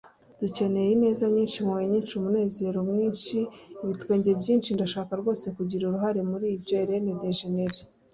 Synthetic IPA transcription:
d̥uce̞ne̞jine̞ːzaɲiːnʃimaweɲiːnʃumune̞ːze̞ɾo̞mŋiːnʃiiβitweːɲɟebɟiːnʃindaʃaːkaɾɡo̞ːse̞kuɟiɾuɾuɦaɾe̞muɾiːbɟo̞ɾenedeʒeneɾe

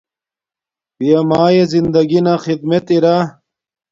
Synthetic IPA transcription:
bijɐmaːjezind̪ɐɡinɐxid̪met̪iɾa

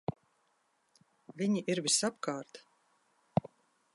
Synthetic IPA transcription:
vʲiɲiʔiɾvisapkaːɾt̪

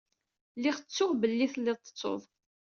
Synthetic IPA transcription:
lːɪʁt͡sːʊʁbəlːiθlːɪðˤt̪ːə̥t͡sˤːo̰ðˤ

